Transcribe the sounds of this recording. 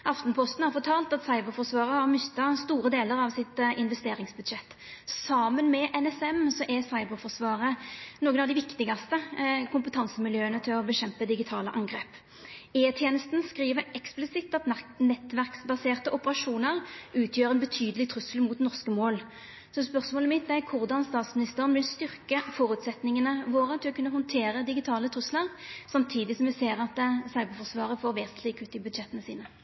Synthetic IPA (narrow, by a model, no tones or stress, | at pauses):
ʔɑft̪npʰɔst̪n̩hɑɾfɔt̪ʰɑːlt̪ɑt̪sɑɪbəʁfɔʁsʋɑːʁəhɑʁmʏst̪ːɑst̪uːʁəd̪eːləʁɑʋsɪt̪ʔɪnʋɛst̪eːʁɪŋsbʉd̪ɕɛt̪ː | sɑmənmɛʔɛnɛsɛmsɔʔɛsɑɪbəɾfɔʁsʋɑːʁənoːɡənɑʋd̪ɪʋɪkt̪ɪɡɑst̪əkʰʊmpət̪ʰɑnsəmɪljøːənət̪ʰɪlɔbəɕɛmpəd̪ɪɡɪt̪ʰɑːləʔɑŋɡʁeːp | eːt̪ʰjeːnəst̪nskʁiːʋəɛksplɪsɪt̪ːɑt̪nɛt̪ːʋæʁksbɑseːʁt̪əʔɔpəʁɑʂuːnəʁʉːt̪ʰjøːʁɛnbət̪ʰyːd̪əlɪt̪ʰʁʉsəlmuːt̪nɔʁskəmoːl | sɔspœʁsmoːləmɪt̪̚d̪ækʰʊʁd̪ɑnst̪ɑːt̪smɪnɪst̪əʁənʋɪlst̪ʏʁkəfɔːʁʉːt̪sɛt̪nɪŋənəʋoːʁət̪ʰɪlɔkʉnːəhɔnt̪ʰeːʁəd̪ɪɡɪt̪ʰɑːlət̪ʰʁʉsləʁsɑmt̪ʰiːd̪ɪsɔmʋɛseːʁɑt̪sɑʏbəfɔʁsʋɑːʁəfoːʁʋeːsənt̪lɪɡʉːt̪ːɪbʉd̪ʃɛt̪ənəsiːnə